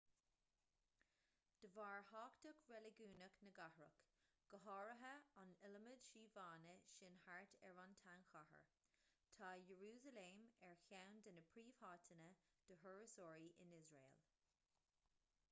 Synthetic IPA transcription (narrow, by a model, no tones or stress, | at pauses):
d̪̥əvaːɹhɑːkt̪əkɹɛlɪɡuːnəknəɡahɹə̰k | ɡ̥əɦɑːɹəɦəanɪləməd̥ʃiːvaːnəʃɪnhaɹtɛɹɑnt̪ʰanxahə̰ɹ | t̪ʰaːjəɹuːzəlemɛɹçawnd̪ənəpʰɹiːv̥hɑːtʰənə | d̪̥əɦəɹəsɔːɹiʔɪ̰nɪzɹḛːl